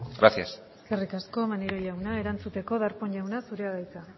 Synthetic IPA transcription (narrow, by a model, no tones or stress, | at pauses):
ɡɾaθjaseskerikasko̞maniɾoʎawnae̞ɾant͡sut̪e̞ko̞ðaɾpo̞ɲʎawnasuɾeaɣajt͡s̪a